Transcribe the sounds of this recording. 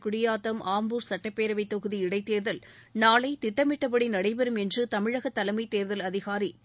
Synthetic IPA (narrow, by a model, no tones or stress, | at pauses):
kʊɽɪjaːt̪ːɐmʔaːmbuːɾsɐʈːɐpːeːɾɐʋɐɪt̪ːɔɣɯðiɪɽɐɪt̪ːeːɾðɐl | naːlɐɪt̪ɪʈːɐmɪʈːɐpɐɽinɐɽɐɪpɛɾɯmɛndrɯt̪ɐmɪɻɐɣɐt̪ːɐlɐɪmɐɪt̪ːeːɾðɐlɐðɪɣaːɾi